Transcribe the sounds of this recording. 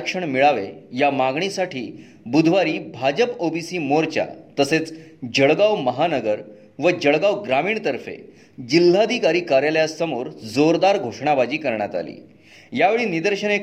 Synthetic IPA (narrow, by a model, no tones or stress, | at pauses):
kʂəɳmiɭaʋejamaɡɳisaʈʰiː | bud̪ʱʋaɾiːbʱad͡ʑəpobisiːmoɾt͡ɕja̰t̪əset͡sd͡ʑəɭɡawməɦanəɡəɾ | ʋəd͡ʑəɭɡawɡɾamiːɳt̪əɾfḛ | d͡ʑil̤ːaəd̪ʱikaɾiːkaɾjaljasəmoɾd͡zoɾd̪aɾɡʱoʂɳabad͡ʑiːkəɾɳjat̪a̰lḭː | jaʋeɭiːnid̪əɾɕənek